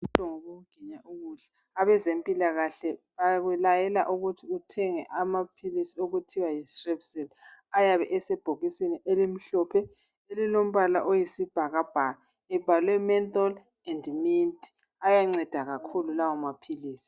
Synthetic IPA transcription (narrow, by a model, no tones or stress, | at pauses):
um̩tʼɔŋoβoɣuɡ̥ʱiɲaʔuɣuɬɛ | aβɛzempʼilaɣaɬɛβaɣɛlajɛla̰ʔuɣutʰiutʰɛŋɛ̰ʔamapʰilisioɣutʰiwajistrɛbsɛlajaβɛʔɛsɛb̥ʱoɣisiniʔelim̩ɬɔpʰɛ | elilom̩βala̰ʔojisib̥ʱaɣab̥ʱaɣa | ɛb̥ʱalwɛmɛnt̪ʼɔl | ɛndmintʼi̥ | ajaŋ͡ǀɛd̥ʱaɣakʰululawɔmapʰiliːsi̥